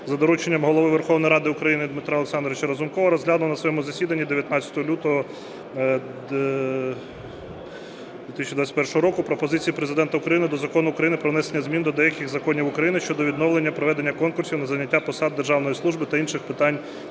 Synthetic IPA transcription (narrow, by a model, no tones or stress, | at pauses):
zɐd̪ɔɾut͡ʃenʲːɐmɦɔlˠɔʋɪʋerxɔwnɔjɾɑd̪ɪʊkɾɐjinɪd̪mɪt̪ɾaɔlˠeksɑnd̪ɾɔʋɪt͡ʃɐɾɐzʊmkɔʋɐɾɔzɦlʲad̪lɐnɐsʋɔjɛmʊzɐsʲid̪ɐnʲːid̪eʋʲjɐt̪nɑt͡sʲːɐ̥t̪ɔɦɔlʲut̪ɔɦɔ | d̪ʋʲit̪isʲt͡ʃid̪ʋat͡sʲɛtʲpɛrʃɔɦɔɾɔkʊpɾɔpɔzɪt͡sʲijipɾezɪd̪ɛnt̪ɐʊkɾɐjinɪd̪ɔzɐkɔnʊːkɾɐjinɪpɾɔʋnɛsenʲːɐzmʲind̪ɔd̪ɛjɐkɪɣzɐkɔnʲiwʊkɾɐjinɪʃt͡ʃɔd̪ɔʋʲid̪nɔʋlenʲːɐpɾɔʋɛd̪e̞nʲːɐkɔnkʊrsʲiwnɐzɐnʲɐtʲːapɔsɑd̪̚d̪ːerʒɑwnɔjislˠuʒbɪt̪ɐinʃɪxpɪt̪ɑnʲ